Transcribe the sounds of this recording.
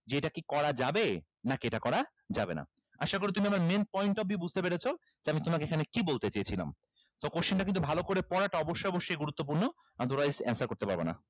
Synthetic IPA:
d͡ʑeeʈakikɔɾad͡ʑabe | nakeʈakɔɾa | d͡ʑabḛna̰ | aʃakoɾet̪umiamaɾmenpɔjɳʈɔb̚ʱibud͡ʑʱt̪epeɾet͡ɕʰo | d͡ʑeamit̪omakeekʰanekibolt̪et͡ɕejet͡ɕʰila̰m | t̪ɔkoʃinʈakint̪ubʱalokoɾepɔɾaʈaɔboʃːojɔboʃːojɡuɾut̪ːop̬uɾno | ad̪ʱoɾajd͡ʑɛ̰nsaɾkoɾt̪epa̰ɾbena̰

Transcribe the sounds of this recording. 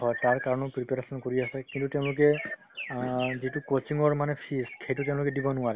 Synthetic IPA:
ɦɔjtaɹkaɹɔnɔpɹipaɹesɔnkoɹiasɛkintuteʊ̃lʊkɛ | zitukot͡ʃiŋɔɹmanɛpʰiskʰeituteʊ̃lʊkɛdibɔnʊwaɹɛ

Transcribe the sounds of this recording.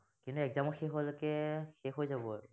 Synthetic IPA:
kintuɛkzamɔxeɦɔlkɛxexojzabɔaɹʊ

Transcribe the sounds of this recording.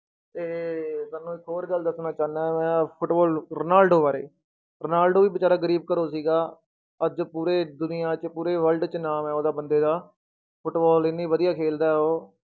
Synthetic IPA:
t̪eːsaːnːũːɪkːɦoːɾɡəld̪əsnaːt͡ʃaːnaːmɛ̃ːpʰʊʈbɔːlɾənaːlɖoːʋaːɾḛː | ɾənaːlɖoːʋiːbɪt͡ʃaːɾaːɡəɾiːbkəɾoːsiːɡaː | əd͡ʒpuːɾeːd̪ʊnɪjãːt͡ʃpuːɾeːʋəlɖt͡ʃnaːmɛːoːd̪aːbənd̪eːd̪aː | pʰʊʈbɔːlɪnːiːʋəd̪ijaːkʰeːld̪aːɦoː

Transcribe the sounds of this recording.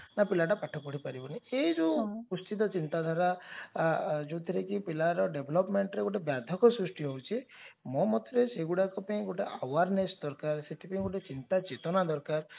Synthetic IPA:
napilaʈapaʈʰɔpɔɽ̤ipaɾibɔniejd͡ʒupust̪it̪̬ɔt͡ʃint̪ad̪ʱaɾa | d͡ʒut̪ʰiɾekipilaɾɔɖebʱlɔpmeɳʈɾeɡoʈebjad̪ʱɔkɔsɾusʈiɦɔwt͡ʃʰimɔ̃mɔt̪ɾeseɡuɽakɔpaĩɡoʈeʔawaɾnesd̪ɔɾkaɾset̪ʰipaĩɡoʈet͡ʃint̪at͡ʃet̪ɔnad̪ɔɾkaɾ

